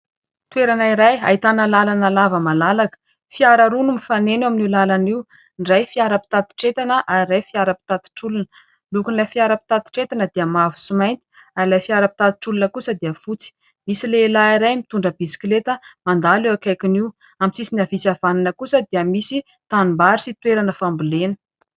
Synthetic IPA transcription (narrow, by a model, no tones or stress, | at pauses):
t̪weɾanaiɾaja̰it̪anəlalanalavəmalalakə̥ | fiaɾaɾunumifanenaminilalaniw | nrajfiaɾəpi̥t̪at̪i̥ʈ͡ʂet̪anəʔaɾiɾajfiaɾəpi̥t̪at̪i̥ʈ͡ʂulunə | lukunlafiaɾəpi̥t̪at̪i̥ʈ͡ʂet̪anəd̪iəmavu̥simajnt̪i̥ | aɾilajfiaɾəpi̥t̪at̪i̥ʈ͡ʂulunəkusəd̪iəfut͡si̥ | misilelaiɾajmit̪uɳɖ͡ʐəbisi̥klet̪əmand̪alewakajkiniw | amit͡sisinavisav̥aninəkusəd̪iəmisi | t̪animbaɾisit̪weɾanəfambulenə̥